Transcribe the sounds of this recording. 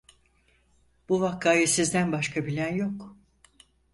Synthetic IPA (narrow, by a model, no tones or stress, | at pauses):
b̥uvakːaːjɯsizd̪ænbaʃkʰabilʲænjo̞k